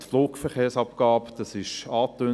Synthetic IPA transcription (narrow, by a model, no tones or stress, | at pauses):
sfloːkfəʁχeːʁsɑpɡ̥ɑːpd̥ɑsɪʃɑːt̪øː